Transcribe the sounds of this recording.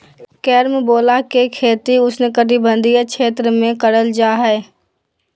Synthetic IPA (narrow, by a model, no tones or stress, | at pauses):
kɛːɾmeboːlakekʰeːt̪iʊsnekət̪ibə̃nd̪ʱijakt͡ʃʰeːt̪ɾəmẽkəɽəld͡ʒaːɦɛː